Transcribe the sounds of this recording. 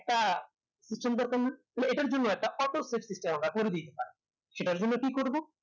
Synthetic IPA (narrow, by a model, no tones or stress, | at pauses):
ɛk̚ʈa | sisʈemd̪ɔɾkanːat̪ɔleeʈaɾd͡ʑonːoɛk̚ʈaʔɔʈ̪osepsisʈemamakoɾed̪it̪epaɾe | ʃeʈaɾd͡ʑonːokikoɾbo